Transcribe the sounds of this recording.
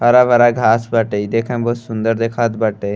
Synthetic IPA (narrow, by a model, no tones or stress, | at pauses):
ɐɾaʋɐɾaɡʱaːsbəʈəid̪ekʰãmbosʊnd̪əɾd̪ekʰat̪bəʈe